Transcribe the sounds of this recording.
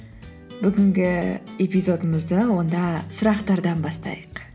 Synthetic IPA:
bʏɡʲɪŋɡʲɪe̞pizo̞d̪əməzd̪əwo̞nd̪ɑsʊɾɑqt̪ɑɾd̪ɑnbɑst̪ɑ̰jəq

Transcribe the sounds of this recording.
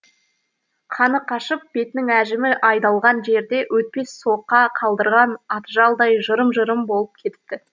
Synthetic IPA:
qʰɑnəqʰɑʃəp̚b̥e̞t̪nɪŋæʒɪmɪʔɑjd̪ɑlˠʁɑnʒe̞ɾd̪e̞wʔɵt̪̚pe̞sːo̞qːɑqʰɑlˠd̪əɾʁɑnɑt̪ʒɑlˠd̪ɑjʒəɾəmʒəɾəmbo̞lˠəp̚kʲʰe̞t̪ɪ̥p̚t̪ɪ

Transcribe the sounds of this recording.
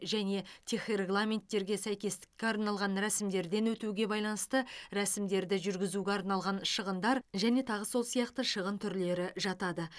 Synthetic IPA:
ʒæne̞t̪ʰeχre̞ɡlˠamʲe̞nt̪ːe̞ɾɡʲe̞sæjkʲe̞st̪ɪ̥kʲːe̞ɑɾnɑlˠʁɑnɾæsɪmd̪e̞ɾd̪e̞nwɵt̪uɡʲe̞bɑjlˠɑnəst̪əɾæsɪmd̪e̞ɾd̪ɪʒʏɾɡʲɪzuɡʲe̞ɑɾnɑlˠʁɑnʃəʁənd̪ɑɾʒæne̞t̪ʰɑʁəso̞lˠsijɑqt̪əʃəʁənt̪ʰʏɾle̞ɾɪʒɑt̪ɑd̪ə

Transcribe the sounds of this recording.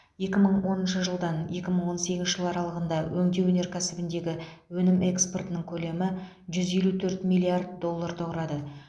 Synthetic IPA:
je̞kʲɪməɴwo̞nənʃəʒəlˠd̪ɑnje̞kʲɪməɴwo̞nse̞ɡʲɪnʃɪʒəlˠɑɾɑlˠəʁənd̪ɑwʔɵŋd̪e̞wɵne̞ɾkʲʰæsɪbɪnd̪e̞ɡʲɪwɵnɪmʔe̞kspo̞rt̪ənəɴŋkʲʰɵle̞mɪ | ʒʏze̞lut̪ʰɵɾt̪milʲˠːiard̪̚d̪o̞lˠːaɾt̪ʰoʁɾɑd̪ə

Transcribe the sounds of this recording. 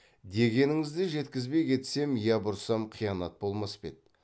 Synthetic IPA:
d̪e̞ɡʲe̞nɪŋɪzd̪ɪʒe̞t̪kʲɪzbe̞jkʲʰe̞t̪se̞mijɑbʊɾsɑmqʰijɑnɑt̪̚bo̞lˠmɑspḛt̪̚

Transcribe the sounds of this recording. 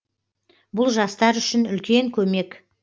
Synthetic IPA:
bʊlˠʒɑst̪ɑɾʏʃɪnʏlkʲe̞ŋkʲʰɵme̞k

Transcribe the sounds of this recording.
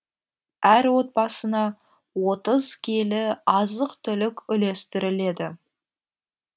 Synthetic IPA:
æɾwo̞t̪̚bɑsənɑ | wo̞t̪əzkʲʰelɪɑzəqt̪ʰʏlɪkʲʏle̞st̪ɪɾɪle̞d̪ɪ

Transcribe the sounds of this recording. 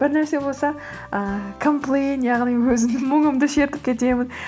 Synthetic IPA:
b̥ɪɾnæɾse̞bo̞lˠsɑ | əkʰomplˠejnjɑʁnijwɵzɪmnɪŋmʏŋɪmd̪ɪʃe̞t̪ɪp̚kʲʰe̞t̪e̞mɪn

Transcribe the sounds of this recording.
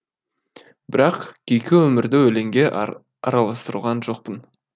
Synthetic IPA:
bɪɾɑqkʲʰejkʲɪwɵmɪɾd̪ɪwɵle̞ŋɡʲe̞ | ɑ̰ɾɑlˠɑst̪əɾə̰lˠʁɑnʒo̞q̚pən

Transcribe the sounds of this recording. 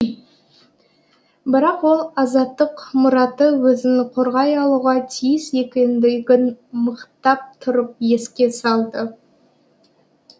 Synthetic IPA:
bɪɾɑqwo̞lˠɑzɑt̪ːəqmʊɾɑt̪əwɵzɪnɪqʰoɾʁɑjɑlˠuʁɑt̪ʰijɪse̞kʲɪnd̪ɪɡʲɪnməqt̪ɑp̚t̪ʰʊɾəp̚je̞skʲe̞sɑlˠd̪ə

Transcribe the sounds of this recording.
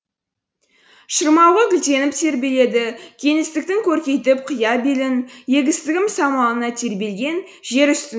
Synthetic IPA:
ʃəɾmɑwʁəɡʲɪlt̪e̞nɪp̚t̪ʰe̞ɾbe̞le̞d̪ɪkʲʰe̞ŋɪst̪ɪk̚t̪ɪŋkʲʰɵɾkʲe̞jt̪ɪp̚qʰəjɑbelɪnje̞ɡʲɪst̪ɪɡʲɪmsɑmɑnənɑt̪ʰe̞ɾbe̞lɡʲe̞n | ʒe̞ɾʏst̪ɪ

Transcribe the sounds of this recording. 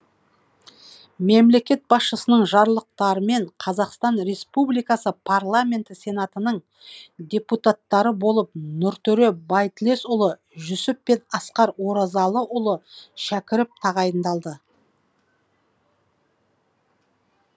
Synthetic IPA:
memle̞kʲe̞t̪̚bɑsʃəsənəɴʒɑɾlˠəq̚t̪ɑɾəme̞ɴqʰɑzɑqst̪ɑnɾe̞spublijkɑsəpʰarlˠamʲe̞nt̪ɪse̞nat̪ənəɴ | d̪e̞put̪at̪ːɑɾəbo̞lˠəp̚nʊɾt̪ʰɵɾebɑjt̪ɪle̞sʊlˠə | ʒʏsɪpːe̞nɑsqɑɾwo̞ɾɑzɑlˠəʔʊlˠəʃækʲɪɾɪp̚t̪ʰɑʁɑjənd̪ɑlˠd̪ə

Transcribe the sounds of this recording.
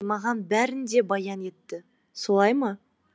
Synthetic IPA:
mɑʁɑnbæɾɪnd̪e̞bɑjɑne̞t̪ːɪ | so̞lˠɑjmɑ

